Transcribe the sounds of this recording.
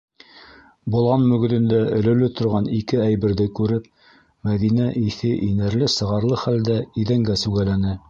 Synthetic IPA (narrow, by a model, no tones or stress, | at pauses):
bŭlˠʁɑnmɵ̆ɡ̆ðɘ̆nd̪æɵ̆lɵ̆lɘt̪ŏɾʁɑnikɘæjbɘ̆ɾðɘkʉɾɘp̚ | mæðinæʔiθɘʔinæɾlɘsɤ̆ʁɑɾlˠɤχæld̪æiðæŋɡæsʉɡælænɘ